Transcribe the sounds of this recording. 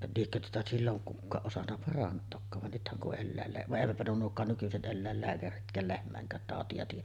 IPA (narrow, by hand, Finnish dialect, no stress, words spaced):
liekːø tuotɑ silːoŋ kukːɑːʔ ʔosɑnːɑ pɑrɑntˑoːkːɑːʋ ʋɑn nythæŋ kuʔ ʔelːæˑelːæː ʋɑʔ ʔeˑiʋætpæ nuo nuokˑɑːn nykyset ʔelːæelːæːkæritkˑæːl lehmˑæˑeŋkˑæːt tɑˑotiɑ tiːjˑæ